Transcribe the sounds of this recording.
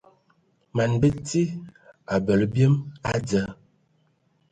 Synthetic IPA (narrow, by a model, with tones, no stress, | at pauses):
ma˨nbə˦ti˦a˨bə˨lbjə˦ma˦d͡zə˨˦